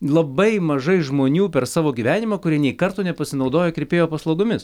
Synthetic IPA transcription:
lˠɐbɐɪmɐʒɐɪʒmoːnʲuːpʲɛɾsɑːʋoːɡʲiʋʲæːnʲɪmɐːkʊɾʲiɛnʲɛɪkɐɾt̪oːnʲɛpɐsʲɪnɐʊd̪oːjoːkɾʲeɛpʲeːjoːpɐslˠɐʊɡomʲɪs

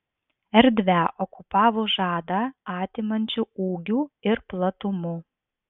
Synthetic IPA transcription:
ɛɾʲd̪ʲʋʲæʔɔkʊpɑːʋoːʒɑːd̪ɑɑːt̪ʲɪmɐnʲt͡ʃʲuuːɡʲuːɪɾplˠɐt̪ʊmʊ

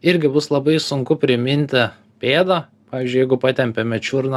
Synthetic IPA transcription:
ɪɾʲɡʲɪbʊslˠɐbɐɪsʊŋkʊpʲɾʲɪmʲɪnʲt̪ʲɪ | pʲeːd̪ɐ | pɑːʋʲiːzʲd͡ʒʲʊjɛɪɡʊpɑːt̪ʲɛmʲpʲeːmʲɛt͡ʃʲʊɾnɐ

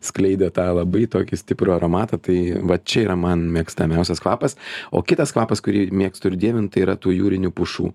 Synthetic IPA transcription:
sklʲɛɪd̪ʲoːt̪ɑːlˠɐbɐɪt̪oːkʲɪsʲt̪ʲɪpɾoːɐɾoːmɑːt̪ɐt̪ɐɪʋɐt͡ʃʲɛiːɾɐmɐnmʲiɛkst̪ɐmʲɛʊsʲɛskʋɑːpɐso̰ːkʲɪt̪ɐskʋɑːpɐskʊɾʲiːmʲiɛkst̪ʊɪɾʲd̪ʲiɛʋʲɪnt̪ɐɪiːɾɐt̪uːjuːɾʲɪnʲupʊʃṵː

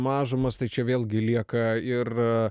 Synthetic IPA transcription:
mɑːʒʊmɐst̪ɐɪt͡ʃʲɛʋʲeːlˠɡʲɪlʲiɛkɐɪr

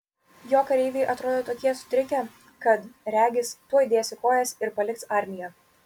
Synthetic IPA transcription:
joːkɐɾʲɛɪʋʲɛɪʔɐt̪ɾoːd̪oːt̪oːkʲiɛsʊ̥t̪ʲɾʲɪkʲɛ | kɐt̪ɾʲæːɡʲɪst̪uɔjd̪ʲeːsʲɪkoːjɛsʲɪɾpɐlʲɪkt̪sɑˑɾʲmʲɪjɛ

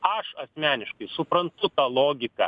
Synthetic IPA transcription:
ɐʃɐsʲmʲæːnʲɪʃkɐɪsʊpɾɐnt̪ʊt̪ɑːlˠoːɡʲɪkɐ̰

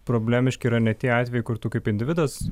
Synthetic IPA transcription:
pɾoːbʲlʲæːmʲɪʃʲkʲɪiɾɐnʲɛt̪ʲiɛɑːt̪ʲʋʲejɪkʊrt̪uːkɐɪpɪnʲd̪ʲɪʋʲɪd̪ɐs

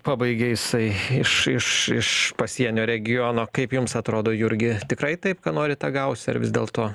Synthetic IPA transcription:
pɑːbɐɪɡʲejɪsɐɪɪʃɪʃɪʃpɐsʲiɛnʲoːɾʲɛɡʲɪjonoːkɐɪpjʊmsɐt̪ɾoːd̪oːjʊɾʲɡʲɪt̪ʲɪkɾɐɪt̪ɐɪpkɐːnoːɾʲɪt̪ɑɡɐʊsʲɐ̰ɾʋʲɪ̰zd̪ʲeːlˠt̪oː

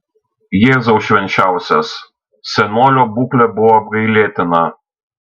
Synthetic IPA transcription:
jeːzɐʊʃʲʋʲɛnʲt͡ʃʲæˑʊsʲɛs | sʲɛnoːlʲoːbuːklʲɛbʊʋɔːbɡɐɪlʲeːt̪ʲɪnɐ

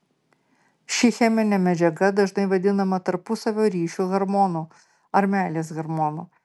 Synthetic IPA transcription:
ʃʲɪxʲɛmʲɪnʲɛmʲɛd͡ʒʲɛɡɐd̪ɐʒnɐɪʋɐd̪ʲɪnɐmɐt̪ɐɾpʊsɐʋʲoːɾʲiːʃʲuːɣɐɾmɔnuː | ɐɾʲmʲæːlʲeːsɣɐɾmɔːnuː

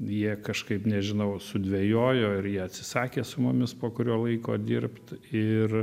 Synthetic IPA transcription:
jiɛkɐʃkɐɪpnʲɛʒʲɪnɐʊsʊd̪ʲʋʲejoːjoːɪɾjiɛɐt̪ʲsʲɪsɑːkʲeːsʊmʊmʲɪspoːkʊɾʲoːlˠɐɪko̰ːd̪ʲɪrpt̪ɪr

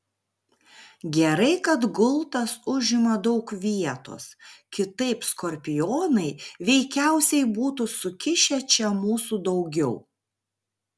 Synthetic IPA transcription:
ɡʲɛɾɐɪkɐt̪ɡʊlˠt̪ɐsʊʒʲɪmɐd̪ɒʊkʋʲiɛt̪o̰ːskʲɪt̪ɐɪpskɔɾʲpʲɪjoːnɐɪʋʲɛɪkʲæˑʊsʲɛɪbuːt̪usʊkʲɪʃʲɛt͡ʃʲɛmuːsud̪ɒʊɡʲɛʊ

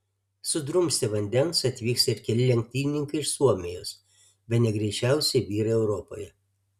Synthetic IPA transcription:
sʊd̪ɾʊmʲsʲt̪ʲɪʋɐnʲd̪ʲɛnsɐt̪ʲʋʲiːksɪɾkʲɛlʲɪlʲɛŋʲk̚ʲt̪ʲiːnʲɪŋkɐɪɪʃsuɔmʲɪjoːs | bʲɛt̪nʲɛɡɾʲɛɪt͡ʃʲæˑʊsʲɛɪʋʲiːɾɐɛʊɾɔpo̰ːjɛ

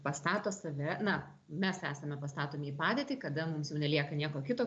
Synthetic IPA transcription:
pɐst̪ɑːt̪oːsɐʋʲɛnɐ | mʲɛsæːsɐmʲɛpɐst̪ɑːt̪oːmʲiːpɑːd̪ʲeːt̪ʲiːkɐd̪ɐmʊmsjɛʊnʲɛlʲiɛkɐnʲiɛkoːkʲɪt̪oː

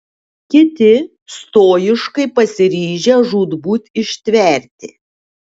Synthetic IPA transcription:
kʲɪt̪ʲɪ | st̪oːjɪʃkɐɪpɐsʲɪɾʲiːʒʲɛʒuːd̪buːt̪ʲɪʃʲt̪ʲʋʲɛˑɾʲt̪ʲɪ̰

